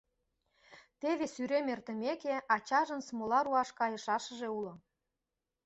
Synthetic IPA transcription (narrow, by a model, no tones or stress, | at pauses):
t̪eβesyɾemert̪ə̆mekeɑt͡ɕɑʒə̆nsmolɑɾuɑʃkɑjə̆ʃɑʃə̆ʒeulŏ